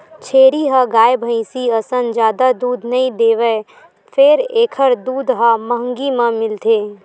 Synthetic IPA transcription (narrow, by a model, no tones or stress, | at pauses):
t͡ʃʰeːɾiɦəɡaːjbʱə̃ɪ̃siəsənd͡ʒjaːd̪ad̪uːd̪ʱnəĩd̪eːʋə | pʰeɾeːkʰəɾd̪uːd̪ɦaməɦəŋɡimãmɪlt̪ʰeː